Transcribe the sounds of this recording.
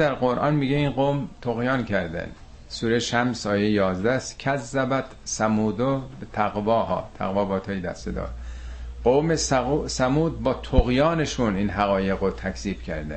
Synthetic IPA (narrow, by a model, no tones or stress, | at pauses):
d̪æɾɡoɾʔɒ̰nmiːɡeiːnɢomt̪ʰoɣjɒːnkʰæɾd̪æ̰n | suːɾeʃæmsɒːjejɒːzd̪æscʰæzːæbæt̪sæmuːd̪obet̪ʰæɣvɒːɦɒ̰ːt̪ʰæ̰ɣvɒːbɒːt̪ʰɑːjed̪æ̰st̪ed̪ɒ̰ːɾɢoːmesusæmuːd̪̚bɒːt̪ʰoɣjɒːneʃuniːnɦæɣɒːje̞ɣɾot̪ʰækʰz̥iːb̥cʰæɾd̪æ̰